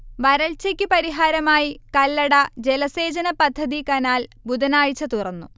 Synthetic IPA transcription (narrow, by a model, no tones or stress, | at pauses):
ʋɐɾɐɭt͡ɕɐkʲːɨpɐɾiɦaːɾɐmaːjikɐlːɐɽɐd͡ʑe̞lɐse̞ːd͡ʑɐnɐpɐd̪ʱːɐðikɐnaːl | bud̪ɐnaːɻt͡ɕːɐt̪urɐnːu